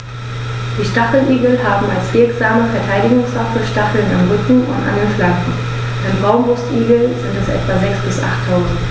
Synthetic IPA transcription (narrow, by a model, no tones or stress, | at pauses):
d̥iːʃtaχl̩ʔiːɡl̩ɦaːbm̩alsv̥ɪɐkz̥aːməfɛɐtʰaɪdɪɡʊŋsv̥afəʃtaχl̩na̰mʁʏkŋ̩ʊ̰nta̰ndeːnflaŋkŋ̩ | aɪnbʁaʊnvʊstʔiːɡl̩z̥ɪntɛsʔɛ̰tv̥azɛksb̥ɪsʔa̰χtʰːaʊzn̩t